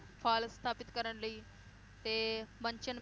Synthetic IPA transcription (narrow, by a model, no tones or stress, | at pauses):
pʰaːlst̪ʰaːpit̪̚kɐɾɐɳlɐː | t̪eːʋɐɲt͡ʃɐn